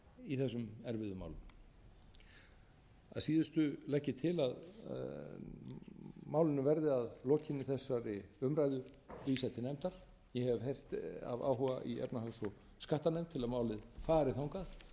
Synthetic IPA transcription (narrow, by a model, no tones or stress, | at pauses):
iθɛsːʏmɛɾvɪðʏma̰ːwlʏm | a̰ðsiːðɪst̪ʏlɛhcːɪt̪ʰɪlað | maːwlɪnʏvɛɾðɪaðloːcʰɪnːɪθɛsːaɾɪʏmɾajðʏ | visɛht̪ːɪnɛmt̪aɾ̥ | jɛhɛvhejr̥t̪a̰va̰ːwɦɔɣaʔiɛ̰pnaɦasɔ | skaht̪anejmnt̪ʰɪlaðmaːwlɪðfaːɾɪθawŋkað